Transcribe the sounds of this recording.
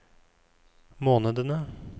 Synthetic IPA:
moːnəd̪ənə

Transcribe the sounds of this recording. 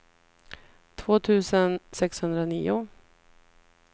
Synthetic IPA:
t̪ʰvoːt̪ʰʉ̟ːsənsɛkshɵnd̪ɾaniːʊ

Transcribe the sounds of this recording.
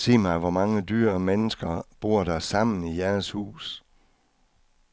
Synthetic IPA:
se̝̰ːmɑ̈ɪʋɒmɑ̈ŋədyːɐmenəsɡ̥ɐb̥o̝ɐ̰ɾɑ̈sɑ̈m̰n̩ijæɐshṵːs

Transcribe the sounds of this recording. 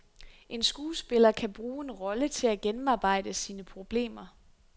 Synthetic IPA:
ʔe̝nsɡ̥uːsb̥e̝lɐkʰæb̥ʁuːe̝nʁɒ̽lət͡sʰe̝læɡ̥enm̩ɑ̈ːb̥ɑ̈ɪ̰d̥əsiːnəpʰʁo̝b̥le̝̰ːmɐ

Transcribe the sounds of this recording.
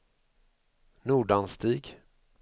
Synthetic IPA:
nuːɖanst̪iːɡ

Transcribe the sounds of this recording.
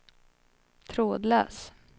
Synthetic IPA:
t̪ʰɾoːd̪lœ̰ːs

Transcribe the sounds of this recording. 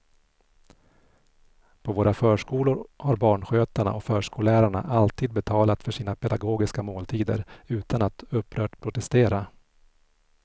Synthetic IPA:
pʰɔvoːɾafœːʂkuːlʊɾhaɾbɑːɳɧøːt̪aɳa̰ʔɔkfœːʂkuːlæːɾaɳa̰ʔalt̪ʰiːd̪̚bɛt̪ʰɑːlat̪fœʂiːnapʰɛd̪aɡoːɡɪskamoːlt̪ʰiːd̪ə̰ɾʉ̟ːt̪ʰanat̪ɵpːɾœːʈpʰɾʊt̪ɛst̪eːɾa

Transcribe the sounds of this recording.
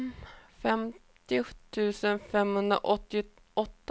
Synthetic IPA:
fɛmt̪ɪt̪ʰʉ̟ːsənfɛmhɵnd̪ɾa̰ʔɔt̪ːɪ | ɔt̪ː

